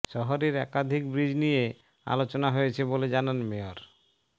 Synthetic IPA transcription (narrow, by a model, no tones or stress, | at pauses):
ʃɔɦoɾeɾɛ̰kad̪ʱikbɾid͡ʑnije | a̰lot͡ɕonaɦojet͡ɕʰeboled͡ʑananmeoɾ